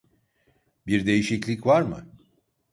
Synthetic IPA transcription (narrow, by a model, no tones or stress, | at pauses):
biɾd̪e̞jiʃiclʲicvaɾmɯ̰